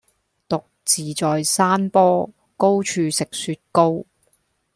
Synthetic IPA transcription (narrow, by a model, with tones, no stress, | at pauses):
t̪ʊ˨k̚t͡siː˨t͡sɔː˨jsaː˥npɔː˥ | ko˥wt͡ʃʰyː˨˧sɪ˨k̚syː˧t̚ko˥w